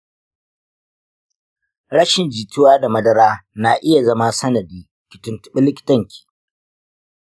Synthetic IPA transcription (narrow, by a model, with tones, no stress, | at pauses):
ɾɐ˦ʃɪ˨nd͡ʒiː˨tʊ˦waː˦da˨mɐ˦dɐ˦ɾaː˦na˨ʔɪ˦ja˨zɐ˦ma˦sɐ˦nɐ˨diː˦ | kʲɪ˨tʊ˦ntʊ̥˦ɓɪ˦lɪ˦kʲɪ̥˨tɐ˦ŋkʲi̥ː˨